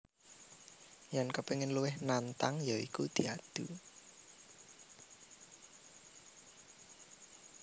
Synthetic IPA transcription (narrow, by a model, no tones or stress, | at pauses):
jɛnkəpeŋɪnluwɪhnant̪aŋjaḭkud̪̥i̤ad̪̥ṳ